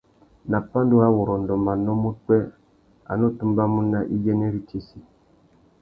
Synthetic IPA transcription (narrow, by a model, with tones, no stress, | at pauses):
na˨pːa˦n˦du˦a˦wo˨ɾɔ˨n̩˨dɔ˨ma˨no˦mu˦k͡pɛ˦ | a̰˨no˦tu˦mba˦mu˦nːa˦ʔi˦jɛ˦ne˦ɾi˦t͡ʃe˦si˦